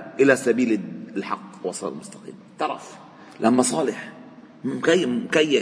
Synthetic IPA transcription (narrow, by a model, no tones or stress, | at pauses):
ʔɪlæsæbiːllħɑqːwɑsˤɑ̰lɑ̰lmʊst̪ɑ̥qḭːmt̪ˤːɑɾˤɑ̰f | lʔæmːæsˤɑːleħ | kæjːkæjːæ